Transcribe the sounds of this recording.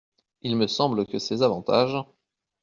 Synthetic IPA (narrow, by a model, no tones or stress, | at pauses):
ilməsɑ̃bləkəsɛzavɑ̃t̪aʒ